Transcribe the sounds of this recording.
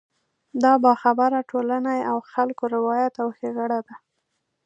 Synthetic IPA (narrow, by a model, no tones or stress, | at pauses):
d̪ɑbɑxabaɾaʈʰolanajawxalkoɾɪwɑjat̪awxeɣaɽad̪a